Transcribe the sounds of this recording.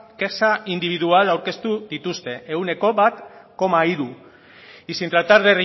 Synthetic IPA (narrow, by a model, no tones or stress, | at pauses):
kesaind̪iβiðualawɾke̞st̪uðit̪ust̪e̞ʔeɣune̞ko̞βat̪ko̞maiɾu | isint̪ɾat̪aɾðeri